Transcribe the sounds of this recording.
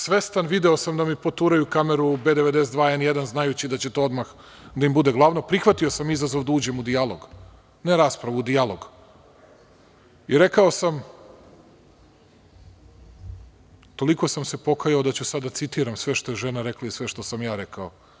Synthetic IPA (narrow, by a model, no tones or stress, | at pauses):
sʋest̪anʋid̪eo̞samd̪amipo̞t̪uɾajukameɾubeːd̪eʋed̪esd̪ʋaːenjed̪anznajut͡ɕid̪at͡ɕet̪o̞od̪max | d̪aimbud̪e̞ɡlˠaʋno̞pɾixʋat̪io̞samizazoʋd̪auːd͡ʑe̞mud̪ialˠo̞ɡ | neɾaːspɾaʋud̪ijalˠo̞ɡ | iɾe̞kao̞sam | t̪o̞liko̞samse̞po̞kajaod̪at͡ɕusad̪at̪sit̪iːɾamsʋe̞ʃt̪o̞jeʒenaɾeklˠaisʋe̞ʃt̪o̞samjaːɾekao